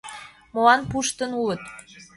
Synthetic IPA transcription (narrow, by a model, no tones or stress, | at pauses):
moɑnpuʃt̪ənulə̆t̪